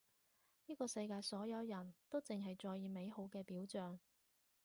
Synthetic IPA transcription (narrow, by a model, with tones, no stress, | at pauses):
niː˥kɔː˧sɐ˧jkaː˧jsɔː˨˥jɐ˨˧wjɐ˨˩nt̪o˥wt͡sɪ˨ŋɦɐ˨jt͡sɔː˧jiː˨˧me˨˥jɦo˨˥wkɛː˧piː˨˥wt͡ʃœː˨˩ŋ